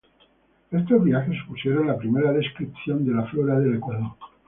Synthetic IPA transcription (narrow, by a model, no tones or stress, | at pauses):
e̞st̪o̞zβiaxe̞spusje̞ɾonlapɾime̞ɾaðe̞skɾipθjo̞nd̪e̞laflo̞ɾaðe̞lekwaðo